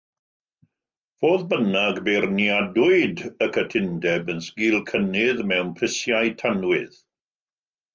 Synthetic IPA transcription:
v̥oːðbənaɡberniadʊɨdəkʰətʰɪndɛbənskiːlˠkʰənɪðmɛwnpʰrɪsjajtʰanwɪð

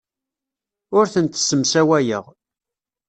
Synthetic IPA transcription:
ʊɾθənt̪səmsæwæjə̰ʁ

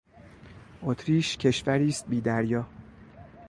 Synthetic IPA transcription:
ʔot̪ʰɾiːʃcʰe̞ʃvæɾiːst̪̚biːd̪æɾjɒː

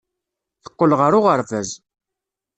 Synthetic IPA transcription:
θə̥qːəlʁəɾʊʁəɾvæz

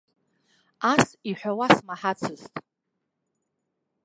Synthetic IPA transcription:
asiħʷᶣawasmaħat͡sʰɨztʼ

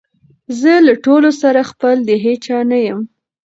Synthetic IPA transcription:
zəlaʈolosaɾaxpəld̪əɦet͡ʃanajəm

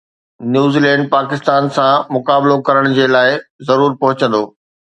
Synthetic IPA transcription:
njuːziːlɛ̃ːɳɖ̚paːkɪst̪aːnsãmʊkaːblokɐɾəɽ̃ʊd͡ʑeːlaːɪzɐɾuːɾpɐɦʊt͡ɕə̃n̆d̪oː

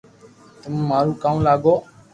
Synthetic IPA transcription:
t̪ʊmːaːɾũːkaːũːlaːɡoː

